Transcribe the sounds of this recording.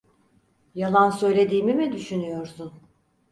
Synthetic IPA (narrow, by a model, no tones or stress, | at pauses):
jalˠansø̞jlʲe̞d̪iːmimid̪yʃynyjo̞ɾsun